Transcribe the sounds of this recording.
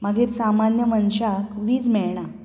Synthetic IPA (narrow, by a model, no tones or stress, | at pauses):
maɡiːɾsamanjəmənɕakʋiːd͡zmɛɭɳa